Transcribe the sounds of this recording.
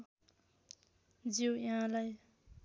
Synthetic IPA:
d͡ziwjaɦãlaj

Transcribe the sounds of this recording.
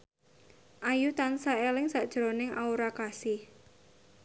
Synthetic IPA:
ʔajut̪ansaelɪŋsaʔd̥ʒ̥ɾonɪŋauɾakasɪh

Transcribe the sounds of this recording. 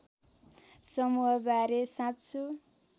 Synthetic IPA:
sʌmuɦʌbaɾesãtt͡sʰu

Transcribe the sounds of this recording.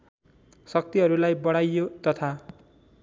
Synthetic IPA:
sʌk̚t̪iɦʌɾulajbʌɽ̃ajːot̪ʌt̪ʰa

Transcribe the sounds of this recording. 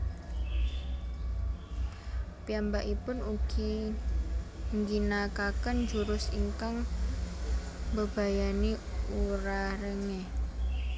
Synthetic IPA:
piambaʔipʊnuɡ̥i | ŋɡinakakənd͡ʒuɾʊsiŋkaŋ | bəb̥a̤jani | uɾaɾəŋe

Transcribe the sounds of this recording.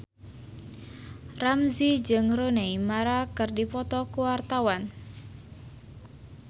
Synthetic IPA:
ramzid͡ʒɨŋroneimaɾakɨrdipɔt̪ɔkuwart̪awan

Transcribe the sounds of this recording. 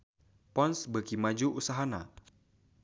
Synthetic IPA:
pɔnsbəkimad͡ʒuʔusaɦana̰

